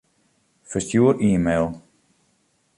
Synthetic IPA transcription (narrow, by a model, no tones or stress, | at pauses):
fəstjuəɾʔiːmeːlˠ